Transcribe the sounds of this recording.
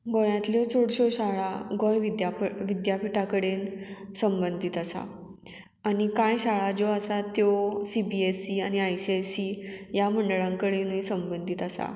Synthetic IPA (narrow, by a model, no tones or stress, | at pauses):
ɡɔjãt̪lɔt͡soɽɕoɕaɭaɡɔjʋid̪jaʋid̪japiʈakəɽensəmbənd̪ʱit̪əsa̰ | anikajɕaɭad͡ʑoasat̪ːjosibiesiañiajsiasijaməɳɖəɭãŋkəɽenuisəmbənd̪ʱit̪əsa̰